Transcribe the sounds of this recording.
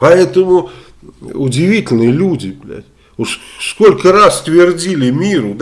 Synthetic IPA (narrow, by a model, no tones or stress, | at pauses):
pɐɛt̪əmʊ | ʊdʲɪvʲitʲɪlʲnɨjəlʲudʲɪblʲæ̰tʲ | oskolʲkərast̪vʲɪrdʲilʲɪmʲiɾʊd̪